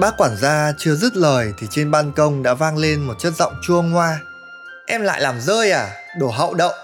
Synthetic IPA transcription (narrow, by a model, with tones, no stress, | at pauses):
ɓaː˦˥k̚waː˧˩nzaː˧t͡ɕɨ˧əzə˦˥t̚ləː˨˩jt̪ʰi˨˩t͡ɕe˧nɓaː˧nkə˧wŋ͡mɗa̰ː˧˥vaː˧ŋle˧nmo˨˩t̚t͡ɕə˦˥t̚z̥ɔ̰˧˨wŋ͡mt͡ɕu˧əŋːwaː˧ | ʔɛ˧mla̰ː˧˨jlaː˨˩mzəː˧jʔaː˨˩ | ɗo˧˩ɦə̰˧˨wɗə̰˧˨wŋ͡m